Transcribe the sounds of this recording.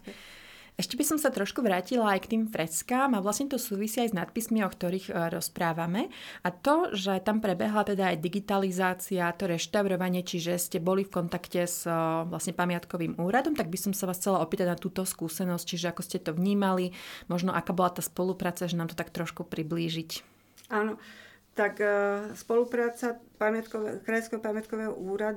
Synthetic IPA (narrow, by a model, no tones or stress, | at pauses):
ɛʃcɛbisɔmsat̪ɾɔʃkuʋɾaːcilaajkt̪iːmfɾɛskaːmaʋlasɲɛt̪ɔsuːʋisiːajznat̪̚pismiɔkt̪ɔɾiːɣɾɔspɾaːʋamɛʔat̪ɔʒɛt̪ampɾɛbɛɦlat̪ɛd̪aːjd̪iɡit̪alizaːt͡siat̪ɔɾɛʃt̪aʊɾɔʋaɲɪɛt͡ʃiʒɛscɛbɔlifkɔnt̪akcɛz̥ʋlasɲɛpamɪat̪kɔʋiːmuːɾad̪ɔmt̪aɡ̚bisɔmsaʋaːsxt͡sɛlaɔpiːt̪aɟnat̪uːt̪ɔskuːsɛnɔsc̚t͡ʃiʒɛakɔscɛt̪ɔʋɲiːmalimɔʒnɔʔakaːbɔlat̪aːspɔlupɾaːt͡saʒɛnaːmt̪ɔ̥t̪ak̚t̪ɾɔʃkupɾibliːʒic | anɔt̪akspɔlupɾaːt͡sapamɪat̪kɔɛkɾajɔ̃skɛɦɔpamɪat̪̚kɔʋɛːɦɔʔuːɾad̪